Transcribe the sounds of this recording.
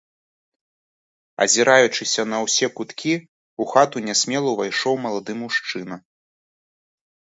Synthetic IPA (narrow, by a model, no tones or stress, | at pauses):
ɐ̰zʲiɾajut͡ʂɨsʲɐnɐwsʲɛkut̪kʲi | uxat̪unʲɛsʲmʲɛlˠɐwvajʂɔwmɐlˠad̪ɨmuʂt͡ʂɨn̪ɐ